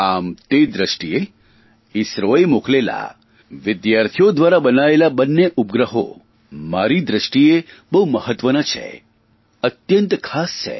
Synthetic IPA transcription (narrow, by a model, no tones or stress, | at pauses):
amt̪ed̪ɾəʃʈie | isɾoemuklela̰ | ʋɪd̪jaɾt̪ʰijod̪ʋaɾabənaelabənːeʔupɡɾəɦo̰ | maɾid̪ɾəʃʈiebəɦuməhət̪ʋənat͡ʃʰḛ | ət̪jənt̪kʰast͡ʃʰḛ